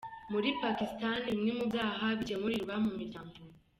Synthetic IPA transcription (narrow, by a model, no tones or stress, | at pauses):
muɾipakistanimŋemubɡaːɦabɟemuɾiɾβamumiɟamɡu